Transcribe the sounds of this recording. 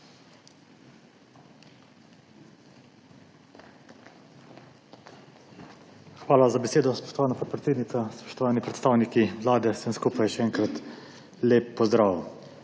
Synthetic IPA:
xʋaːlazabɛseːd̪ɔspɔ̥ʃt̪ɔʋaːnapɔt̪̚pɾɛt̪seːd̪nit̪saspɔ̥ʃt̪ɔʋaːnipɾɛt̪st̪aːwnikiʋlaːd̪ɛsəmskuːpajʃɛɛːŋkɾat̪ | leːpːɔzd̪ɾaːʋ

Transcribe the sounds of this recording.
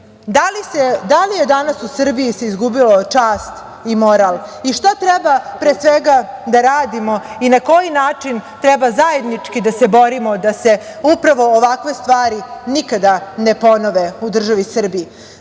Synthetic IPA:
d̪alised̪alije̞d̪anasusr̩bijiseizɡubilot͡ʂaːst̪ | imo̞ɾalˠiʂt̪at̪ɾɛbapɾeːsʋeɡad̪aɾaːd̪imo̞inako̞jinaːt͡ʂint̪ɾɛbazaje̞d̪nit͡ʂkid̪ase̞bo̞ɾimo̞d̪ase̞ | upɾaʋo̞ːʋakʋe̞st̪ʋaːɾinikad̪anepo̞noʋeud̪r̩ʒaʋisr̩bii

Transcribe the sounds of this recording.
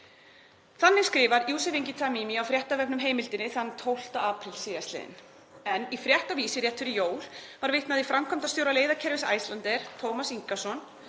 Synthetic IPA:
θanːɪɣskɾɪːvaɾjuːsɛviɲcɪt̪ʰamimiawfɾjɛht̪avɛpnʏmɦeːjmɪlt̪ɪnːɪθanːt̪ʰowl̥t̪aaːpɾɪlsɪːjast̪lɛ̰ðɪ̰n | ɛnifɾjɛht̪aviːsɪrjɛht̪ʏɾɪjoːwlvaɾvɪht̪naðifɾamkʰam̥t̪ast̪jowɾaleːjðacʰɛɾvɪsa̰jslant̪ɛɾ̥t̪ʰowmasiŋkasɔn

